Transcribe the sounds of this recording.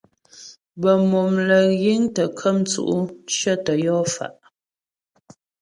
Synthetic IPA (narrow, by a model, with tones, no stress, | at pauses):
bə˨mo˨mlə˨ɣi˦ŋtə˨kʰə˦mt͡sṵ˨ʔu˦ʃə˦tə˨jɔː˦fa̰˨ʔ